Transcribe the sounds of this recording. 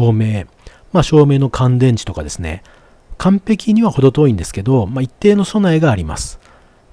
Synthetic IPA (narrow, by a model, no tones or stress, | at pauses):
oːme̞ː | maɕo̞ːme̞ːno̞kʰãnd̪ẽ̞ɲ̟t͡ɕi̥t̪o̞kad̪e̞sɨnḛ | kʰãmpe̞kʲiɲ̟iβaho̞d̪o̞t̪o̞ːĩnd̪e̞sɨ̥ke̞d̪o̞mait̪ːe̞ːno̞so̞naiɡaːɾʲima̰sɨ̥